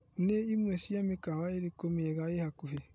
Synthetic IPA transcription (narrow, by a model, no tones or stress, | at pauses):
neimwɛsiamekawaeɾikomeɣaehakuɦe